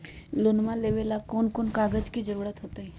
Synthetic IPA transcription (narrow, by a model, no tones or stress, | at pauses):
lonmãleʋelakoːnkoːnkaːɡəd͡ʒkid͡ʒəɾuːɾət̪ɦoːt̪aɦi